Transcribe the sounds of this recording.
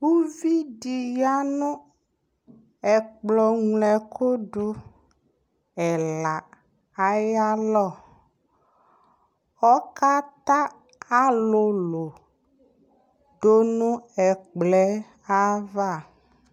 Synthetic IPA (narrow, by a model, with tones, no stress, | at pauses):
wu˦vi˦ɖi˨ja˦nũ˦ | ɛ˨k͡plɔ˨ŋlɛ˨kʰo˦ɖo˦ | ɛ˨la˨ | a˦ja˦lɔ˦˨ | ɔ˦ka˦t̪a˦ | a˦lo˨lo˨ | ɖo˦nũ˦ɛ˨k͡plɛ˦ | a˦va˦˨